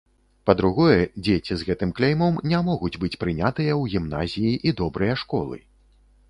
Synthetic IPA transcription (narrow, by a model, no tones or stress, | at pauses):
pɐd̪ɾuɣɔjɛd͡zʲet͡sʲizɣɛt̪ɨmklʲejmɐmnʲamɔɣud͡zʲbɨt͡sʲpɾɨnʲat̪ɨjɐwɣʲimna̰zʲijiʔid̪ɔbɾɨjɐʂkɔ̰lˠɨ̰